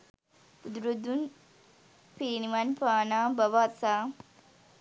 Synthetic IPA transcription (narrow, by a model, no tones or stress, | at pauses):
ud̪ɾud̪un | piːniʋɐnpaːnaːbɐʋaːt̪saː